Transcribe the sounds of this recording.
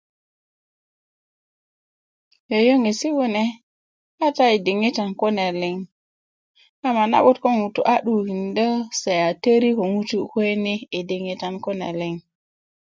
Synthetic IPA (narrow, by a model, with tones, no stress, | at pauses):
jo˨jo˦ŋe˨si˦wu˦ne˦ | ha˦ta˦e˨de˨ŋe˦ta˨nko˦ne˨le˨ŋ | a˦ma˨na̰˦ɓu˦tko˦nu˨tu˨ʔa˦ɗu˨ki˨ndə˦se˨a˨tə˦ɾi˦ko˨ŋu˦tu˦ke˦ni˦e˨de˨ŋe˦˨ta˨nko˦na̰˨le˦ŋ